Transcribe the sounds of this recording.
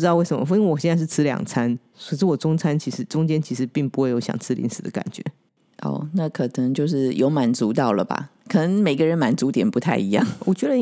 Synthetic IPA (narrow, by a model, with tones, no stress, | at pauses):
tɑ˥˧we˥˩ɪʂə˧˦mə̰˦fi˥wɔ˨˩ɕjɛ˥˧t͡sa˥˧ʂɻ̩˥˩t͡s̩ʰ˥ljɑ̰˨˩ŋt͡sʰa˥n | swʂ̩˥˩wɔ˨˩ʈ͡ʂʊ˥ŋt͡sʰa˥nt͡ɕʰi˧˥ʂɻ̩˧˥ʈ͡ʂʊ˥ŋt͡ɕjɛ˥nt͡ɕʰi˧˥ʂɻ̩˧˥pi˥˩ŋpu˧˥xwe˥˩ɪjo˧˥ʊɕjɑ̰˨˩ŋt͡sʰɹ̩˥lḭ˧˥ŋsɹ̩˨˩d̪ə˦ka̰˨˩nt͡ɕɥɛ̰˧˥ | ʔɔ̰˥˩na˥˩kʰɤ˨˩nɤ˧˦˥ŋt͡ɕjo˥˧ʊʂɻ̩˥˩jo˧˥ʊma˧˥nt͡su˧˥t̪ɑ˥˩ʊlə̰˩ba̰˨˩kʰɤ˨˩nə˧˥ŋme˨˩ɪɡə˦˧ɻə˧˥nma˧˥nt͡su˧˥t̪jɛ˨˩npu˧˥t̪ʰa˥˩ɪi˧˥jɑ̰˥˨ŋwɔ˨˩t͡ɕɥɛ˧˥d̪ə˧